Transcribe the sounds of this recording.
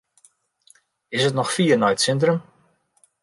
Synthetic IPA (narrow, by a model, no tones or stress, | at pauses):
ɪsətnɔxfiːrnɔjtsɪntrəm